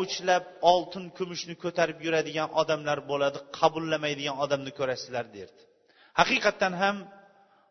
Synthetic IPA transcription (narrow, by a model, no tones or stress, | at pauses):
ʊt͡ʃʰlap̚ɒlˠt̪ʰɪnkʰʊmɪʃnɪkʰɵt̪ʰaɾɪpjʊɾad̪ɪɡʲanʔɒd̪amlaɾbolad̪ɪqʰɑbʊlˠːamajd̪ɪɡʲanɒd̪amnɪkʰɵɾasɪlaɾd̪eɾd̪ɪ̥ | hɑqɨjqɑt̪ʰːanɦam